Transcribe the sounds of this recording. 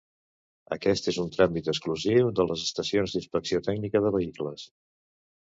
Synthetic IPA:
ə̰kɛst̪ezunt̪ɾamit̪əskluziwd̪ələzəst̪əsionzd̪inspəksiot̪ɛɡnikəðəβəikləs

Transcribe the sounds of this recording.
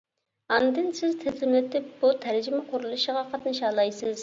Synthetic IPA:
ɑnd̪ɪnsɪzt̪ʰɪzɪmlɪt̪ʰɪp̚b̥ut̪ʰæɾd͡ʒimɛqʰʊɾulˠɨʃəʁɑqʰɑt̪nɨʃɑːlˠɑjsɨz̥

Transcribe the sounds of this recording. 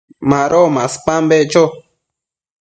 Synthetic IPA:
mãɾomãspãmbet͡ʃo

